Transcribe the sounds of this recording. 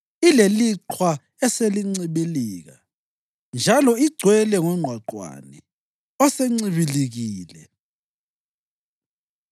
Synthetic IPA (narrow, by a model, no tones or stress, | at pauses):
ileliǀʰwa | ɛseliŋ͡ǀiβiliːɣa̰ | nd͡ʒʱalɔiɡ͡ǀʱwɛlɛŋɔŋ͡ǀʱwaǃwa̰nɛ | ɔseŋ͡ǀiβiliɣiːlɛ